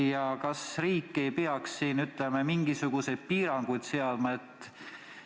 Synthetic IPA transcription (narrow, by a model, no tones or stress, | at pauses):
jɑkɑsriːkːe̞jpeɑksːiːnyt̪ˑlemɑmiŋɡ̥isuɡ̥use̞d̪̥̚piːɾɑŋɡ̥ujd̪̥seɑd̪mɑet̪ːˑ